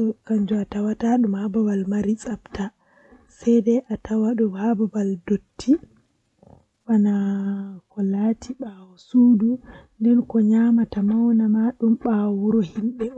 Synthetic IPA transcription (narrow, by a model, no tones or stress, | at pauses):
ɔkaɲd͡ʒɔatawataɗumhababalmaɾisʼapta | sɛjdɛʔatʰawaɗɔhababaldotʰːi | wanakɔlatʰiɓawɔsuːdundɛnkɔɲamatamawnamaɗumɓawuɾɔhimɓɛɔ